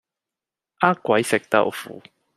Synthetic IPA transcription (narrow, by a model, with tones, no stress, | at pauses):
ʔaː˦˥kʷɐ˨˦jsɪ˨k̚t̪ɐ̰˥wfuː˨˦